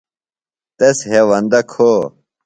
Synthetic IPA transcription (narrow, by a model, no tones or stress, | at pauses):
t̪esɦewɐnd̪ɐkʰo